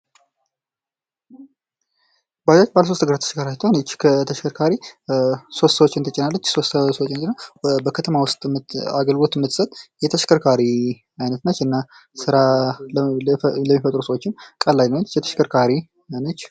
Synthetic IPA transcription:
bad͡ʒat͡ʃːbaləs̬o̞st̪əɡəɾat̪ːʰəʃkʰaɾat̪ʰːanət͡ʃːkʰət̪ʰəʃkʰəɾkʰaɾi | so̞st̪ːsəwot͡ʃːɪnt̪ʰət͡ʃʼːɪnalːət͡ʃːso̞st̪əswot͡ʃːnt͡ʃɪnəwbəkʰət̪ʰəmawʊst̪ʼa̰ɡəlɡo̞t̪ɨmːɨt̪ʰːɨ̥sət̪ʼjɛt̪ʰəʃkəɾkʰaɾi | ajnət̪nət͡ʃːɨnːa | sɨɾa | ləmːifət̪ʼɾusəwot͡ʃːɪnkʼəlːajnət͡ʃjɛt̪ʰə̥ʃkʰəɾkʰaɾi | nət͡ʃː

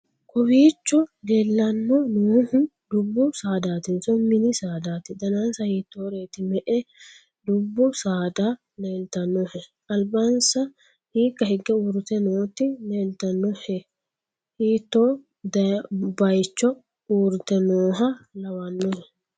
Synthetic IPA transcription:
kɔwiːt͡ʃːɔleːlːɐnːɔnoːhʊ | d̪ʊbːʊsaːd̪aːt̪ɪnsɔmɪnɪsaːd̪aːt̪ɪd̪ɐnansɐhiːt̪ːoːɾe̞ːt̪ɪmɛʔɛ | d̪ʊbːʊsaːd̪aː | neːlt̪ɐnːɔhɛ | ɐlbɐnsɐ | hiːkːɐhɪɡːɛuːɾɪt̪ɛnoːt̪ːɪneːlt̪ɐnːɔhɛ | hiːt̪ːoː | d̪ɐbɐjt͡ʃːɔ | uːɾɪt̪ɛnoːɦɐlɐwɐnːɔhɛ

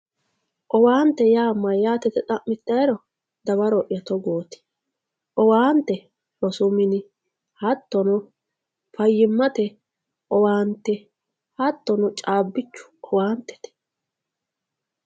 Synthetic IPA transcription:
ʔɔwaːnt̪ːɛjaːmːɐjaːt̪ɛt̪ɛt̪ʼɐmːɪt̪ːɐjɾɔ | d̪ɐbɐɾɔʔjɐt̪ɔɡoːt̪ɪ̥ | ʔɔwaːnt̪ːɛ | ɔsʊmɪnɪ | hɐt̪ːɔnʊ | fɐjːɪmːɐt̪ɛ | ʔɔwaːnt̪ːɛ | hɐt̪ːɔnʊt͡ʃʼaːbːɪt͡ʃːʊ̥ʔɔwaːnt̪ːɛ̥t̪ɛ̥

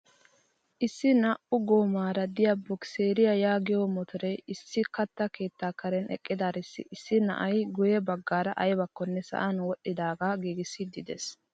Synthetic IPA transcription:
ʔɪsːɪnɐʔʊɡoːmaːɾɐd̪ɪjabɔkse̞ːɾɪjajaːɡɪjomɔt̪ʰɔɾɛjɪsːɪkɐt̪ːɐke̞ːt̪ːaːkɐɾɛnɛ̰kʼːɪd̪aːɾɪsːɪ̰ʔɪsːɪnɐ̰ʔɐjɡʊjɛbɐɡːaːɾɐʔɐjbɐkːɔnːɛsɐ̰ʔɐnwɔɗːɪd̪aːɡaːɡiːɡɪsːɪd̪ɪd̪ɛs

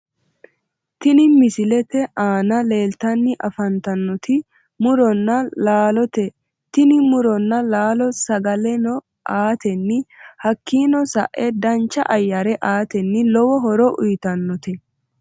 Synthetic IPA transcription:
t̪ɪnɪmɪsɪlɛt̪ɛʔaːnɐle̞ːlt̪ɐnːɪʔɐfɐnt̪ɐnːɔt̪ɪ | mʊɾɔnːɐlaːlɔt̪ɛ | t̪ɪnɪmʊɾɔnːɐlaːlɔsɐɡɐlɛnɔ | ʔaːt̪ɛnːɪhɐkːiːnɔsɐ̰ʔʔɛd̪ɐnt͡ʃːɐ̰ʔɐjːɐɾɛʔaːt̪ɛnːɪlɔwɔɦɔɾɔʔʊjt̪ɐnːɔt̪ɛ

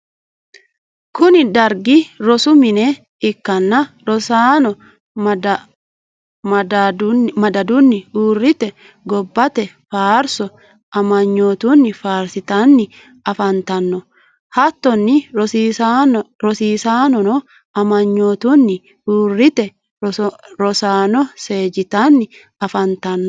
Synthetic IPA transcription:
kʊnɪd̪ɐɾɡɪɾɔsʊmɪnɛ | ɪkːɐnːɐɾɔsaːnɔ | m | mɐd̪ɐd̪ʊnːɪuːrːɪt̪ɛ | ɡɔbːɐt̪ɛ | faːɾsɔ | ɐmɐɲːoːt̪unːɪfaːɾsɪt̪anːɪ | ɐfɐnt̪ɐnːɔ | hɐt̪ːɔnːɪ | ɾɔsiːsaːnɔnɔ | ɐmɐɲːoːt̪unːɪ | uːrːɪt̪ɛ | ɾɔsaːnɔse̞ːd͡ʒɪt̪anːɪ | ɐfɐnt̪ɐnːɔ

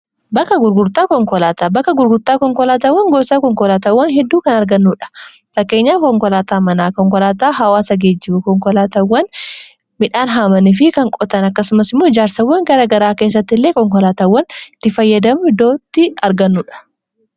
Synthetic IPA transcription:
bɐkːɐɡʊɾɡʊɾt̪aːkɔŋkɔlaːt̪aːbɐkːɐɡʊɾɡʊɾt̪aːkɔŋkɔlaːt̪aːwːɐŋɡɔsakɔŋkɔlaːt̪aːwːɐnɦɛd̪ːuːkɐnɐɾɡɐnːuːᶑɐ̥ | fɐkːe̞ːɲːaːkɔŋkɔlaːt̪aːmɐnaːkɔŋkɔlaːt̪aːɦɐwaːsɐɡeːd͡ʒːɪbʊkɔŋkɔlaːt̪ɐwːɐn | mɪᶑaːnɦaːmɐnɪf̬ɪkɐŋkʼɔt̪ɐnɐkːɐsʊmɐsɪmːoːd͡ʒaːɾsɐwːɐŋɡɐɾɐɡɐɾaːke̞ːs̬ːɐt̪ːɪlːeːkɔŋkɔlaːt̪aːwːɐnɪt̪ːɪfɐjːɐd̪ɐmʊɪd̪ːo̞ːt̪ːɪɐɾɡɐnːuːᶑɐ̥

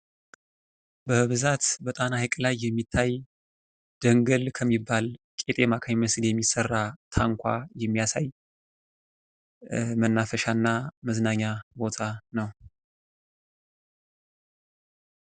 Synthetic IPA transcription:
bəhɨβɨzat̪bət̪ʼanahɨkʼlajːɛmːit̪ʰːaj | d̪̥əŋɡəlkʰəmːibːalkʼe̞t̪ʼe̞makʰamiməsdjɛmːisərːat̪ʰaŋkʷʰa̰jɛmːijasa̰j | mənːafəʃanːaməznaɲːabo̞t̪ʰanəw

